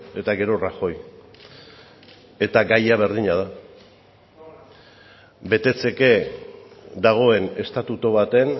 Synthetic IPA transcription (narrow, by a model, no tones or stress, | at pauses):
e̞t̪aɣe̞ɾo̞raxo̞j | e̞t̪aɡajaβ̞e̞ɾðiɲað̞a | be̞t̪e̞t͡se̞ke̞ | d̪aɣ̞o̞e̞ne̞st̪at̪ut̪oβat̪e̞n